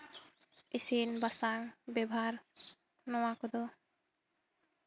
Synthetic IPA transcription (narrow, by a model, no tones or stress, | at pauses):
isinbasaŋbebʱaɾ | nowakod̪o